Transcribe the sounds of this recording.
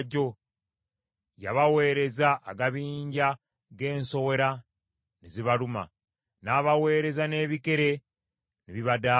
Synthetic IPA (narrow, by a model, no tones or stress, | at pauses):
ɟo̞ | ja̰βawe̞ːɾe̞zaʔːɡaβiːɲɟa | ɡe̞ːnso̞we̞ɾa | niziβaluma̰ | naːβawe̞ːɾe̞zane̞ːβike̞ɾe̞ | niβiβada